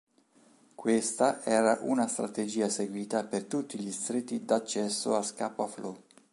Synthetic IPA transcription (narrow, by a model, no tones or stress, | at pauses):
kwest̪aʔɛːɾaʔunast̪ɾat̪ed͡ʒiːaseɡwiːt̪apert̪ut̪ːiʎist̪ɾit̪ːid̪at͡ʃːɛsːo̰askapoaflɔ